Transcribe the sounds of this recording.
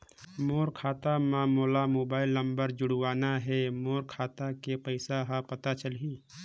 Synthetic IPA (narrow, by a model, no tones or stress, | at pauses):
moːɾkʰaːt̪amãmoːlamoːbaːilːə̃mbəɾd͡ʒʊɽwaːnaɦɛmoːɾkʰaːt̪akepəɪsaɦapət̪at͡ʃəlɦi